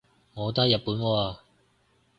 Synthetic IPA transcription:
ŋɔː˨˧t̪ɐ˥jɐ˨t̚puː˨˥nkɔː˧aː˧

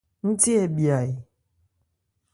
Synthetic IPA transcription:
n̩˦ti˦e˨bja˨i˨

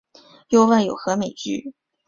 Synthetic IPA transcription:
jo˥ʊwa˥˩njo˨˩ʊxɤ˧˥me˨˩ɪt͡ɕy˥˩

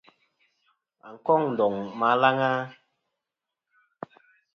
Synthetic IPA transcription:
a̰˨ŋ̩˨kɔ˦˨ŋn̩˨dɔ˨ŋma˨˦la˦ŋa˦

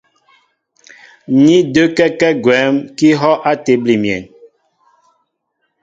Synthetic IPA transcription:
ni˦də˦kɛ˦kɛ˦ɡwɛ˨˦mki˦ɦɔ˦ʔa˦te˨bli˨mjɛ̰˨n

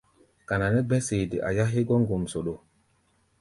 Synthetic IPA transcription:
ka˨na˨nɛ˦bɛ˦se˨di˨ʔa̰˨ja˦ɦi˦ɡɔ˦ŋɡo˨mso˨ɗo˨

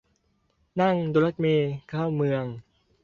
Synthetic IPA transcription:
na˥˩ŋd̪oː˧la˦˥t̪̚miː˧kʰaː˥˩wmɯ˧əŋ

